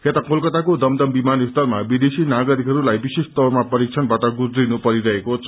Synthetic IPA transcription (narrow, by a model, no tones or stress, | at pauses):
kʰet̪ʌkolkʌt̪akod̪ʌmd̪ʌmbimanist̪ʌrmabid̪esinaɡʌɾikɦʌɾulajbisest̪ʌrmapʌɾik̚t͡sʰʌnbaʈʌɡud͡z̪rinupʌɾiɾʌɦekot͡sʰʌ